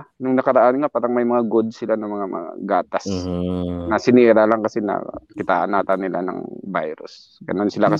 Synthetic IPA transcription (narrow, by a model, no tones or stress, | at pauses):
nʊŋnɐkɐɾɐʔanŋapaːɾɐŋmɐjmɐŋaɡod̪̚sɪlanɐmɐŋamɐ̰ŋa̰ɡaːt̪as | nɐsɪniːɾalaŋkɐsɛnɐ̰kɪt̪a̰ːʔanaːt̪anːɪla̰nɐ̰ŋba̰jɾʊ̰s | ɡɐno̞nsɪlakɐ